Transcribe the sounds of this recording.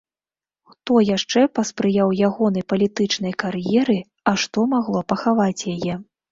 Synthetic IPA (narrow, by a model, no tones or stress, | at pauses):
xt̪ɔjaʂt͡ʂɛpɐspɾɨjawjaɣɔn̪ɐjpɐlʲit̪ɨt͡ʂnɐjkarjɛɾɨ | ɐʂt̪ɔmaɣlˠɔpɐxavat͡sʲjajɛ